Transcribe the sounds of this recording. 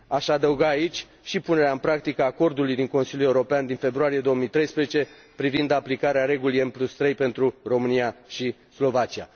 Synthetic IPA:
aʃad̪əuɡaːit͡ʃʲ | ʃipune̞ɾeaɨmpɾak̚t̪ikəaːko̞rd̪ulujd̪iŋko̞nsiljule̞uɾo̞peand̪infe̞bɾuaɾije̞d̪o̞wəmijt̪ɾe̞jspɾezet͡ʃe̞ | pɾivind̪aplikaɾeaɾe̞ɡulijemplust̪ɾe̞jpe̞nt̪ɾuro̞mɨnijaʃislo̞vat͡ʃia̰

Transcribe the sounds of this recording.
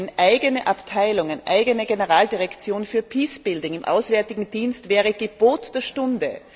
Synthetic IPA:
nʔaɪɡənəʔaptʰaɪlʊŋanʔaɪɡənəɡenəʁaːldiʁɛkt͡sjoːnfyːɐpʰiːsb̥ɪldʊŋɪmʔa̰ʊsv̥ɛɐtɪɡŋ̩diːnstv̥ɛːʁ̞əɡ̥eb̥oːtd̥eːɐʃtʊndə

